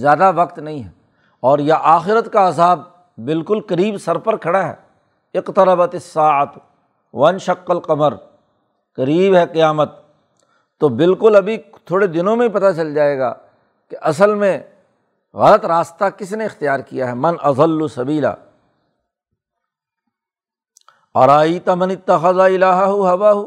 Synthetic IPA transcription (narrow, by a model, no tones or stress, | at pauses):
zjaːd̪aʋɐqt̪nɐɦĩɦɛ | ɔːɾjaʔaːxɪɾət̪kaːzaːb̚ː | ɪlkʊlkɐɾiːbsɐɾpɐɾkʰɐɽaɦɛ̰ː | ɪqt̪ɐɾɐbət̪ɪsːaːʕət̪ | ʋɐɐ̃nʃɐqːɐlqɐməɾ | kɐɾiːbɦɛqijaːmət̪ː | oːbɪlkʊlɐbʱi | t̪ʰoːɽed̪ɪnõmẽp̬ɐt̪at͡ʃɐld͡ʒaːeːɡa̰ː | keʔɐs̬əlmẽ | ɣɐlət̪ɾaːst̪akɪsneɪxt̪ijaːɾkijaɦɛmɐnʔɐðˤɐlːʊsɐbiːla̰ː | ɐ̰ɾaːiːt̪amɐnɪt̪ːɐxɐðaɪlaːɦɐɦʊɦɐwaːɦʊ